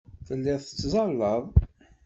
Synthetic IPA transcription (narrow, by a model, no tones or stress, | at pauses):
θəlːɪðˤə̥t͡sːzˤɑlːəðˤ